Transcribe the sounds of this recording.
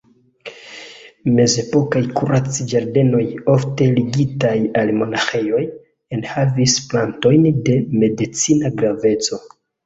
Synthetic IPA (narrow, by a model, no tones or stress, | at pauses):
me̞ze̞po̞kajkuɾat͡sid͡ʒaɾde̞no̞jo̞fte̞liɡitajalmo̞naxe̞jo̞j | e̞nhavisplanto̞jnde̞me̞dit͡sinaɡɾave̞t͡so̞